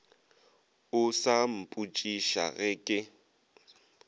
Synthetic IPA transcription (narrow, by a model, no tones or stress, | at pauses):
ʊsam̩pʼut͡ʃʼiʃa̰ɣɪkʼɪ